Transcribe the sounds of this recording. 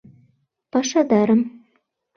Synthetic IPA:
pɑʃɑd̪ɑɾɤ̆m

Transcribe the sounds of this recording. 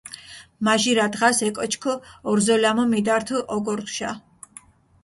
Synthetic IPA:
maʒiɾad̪ʁasɛkʼɔt͡ʃʰkʰɔɔɾzɔlamɔmid̪aɾt̪ʰuʔɔɡɔɾt̪ʃa

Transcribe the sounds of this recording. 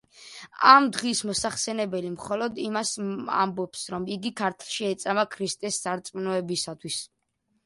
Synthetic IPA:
amd̪ʁismɔsaχsɛnɛbɛlimχɔlɔd̪imasa̰mbɔpsɾɔmiɡikʰaɾt̪ʰlˠʃiɛt̪sʼamakʰɾist̪ʼɛsːaɾt̪sʼmnɔɛbisat̪ʰwis

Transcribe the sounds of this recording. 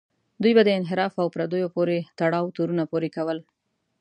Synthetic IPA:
d̪ujbad̪əɪnɦɪɾɑfawpɾad̪ojopoɾet̪aɽɑwt̪oɾunapoɾekawəl

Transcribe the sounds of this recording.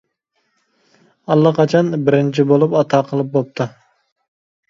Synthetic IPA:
ɑlˠːɑqɑt͡ʃʰɑnbɪɾɪnt͡ʃʰibolˠupɑt̪ʰɑːqʰəlˠɨp̚bop̚t̪ʰu

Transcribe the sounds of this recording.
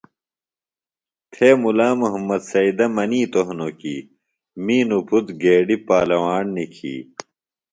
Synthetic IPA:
t̪ʰeːmulaːmuɦɐmːɐd̪sɐid̪ɐmɐniːt̪oɦnokiː | miːnupʰut̪ɡeːɖipaːlɐwaːɳnikʰḭː

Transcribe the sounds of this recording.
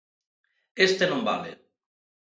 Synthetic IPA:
est̪enomba̰le

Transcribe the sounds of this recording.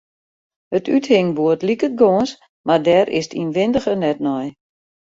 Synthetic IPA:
hətythɪŋbuətlikət̚ɡoəns | mardɛɾʔɪ̰stʰḭnʋɪndəxənɛtnɔj

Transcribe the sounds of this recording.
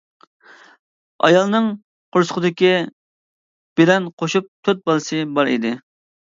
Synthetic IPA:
ɑ̰jɑlˠnɨŋ | qʰoɾsə̥qʊd̪ɪkʲi | b̥ɪlɛnqʰoʃup̚t̪ʰøt̪̚bɑlˠɨsɨbɑɾḭd̪ɪ

